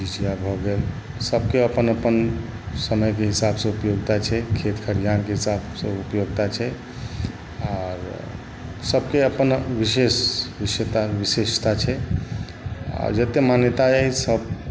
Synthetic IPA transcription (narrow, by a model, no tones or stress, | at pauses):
d͡ʒid͡ʒijabʱɔɡel | səb̚keəpənəpən | səməjkeɦisabsə̃upjoɡt̪at͡ʃʰɛkʰet̪kʰəɾijankeɦisabsə̃upjoɡt̪at͡ʃʰɛ | aɾ | səbkeəpənʋisesʋisjət̪aʋisest̪at͡ʃʰɛ | a̰ɾd͡ʒət̪emanjət̪aɛisəb